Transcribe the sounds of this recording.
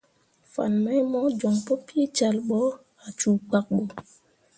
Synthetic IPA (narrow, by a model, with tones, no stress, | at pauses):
fa̰˨nmɛ˦mɔ˦d͡ʒo˨ŋpo˦pi˦t͡ʃa˨lɓɔ˦ | a˨t͡ʃu˨ɡ͡ba˨k̚ɓo˨